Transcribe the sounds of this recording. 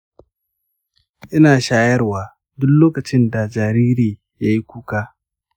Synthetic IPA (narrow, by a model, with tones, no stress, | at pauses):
ʔɪ˦naː˨ʃaː˦jɐ˦rwaː˨ | dʊ˦lloː˦kɐ˨t͡ʃɪ˦nda˨d͡ʒaː˨ɾiː˦ɾiː˨ | ja˦ji˦kʷuː˦kaː˦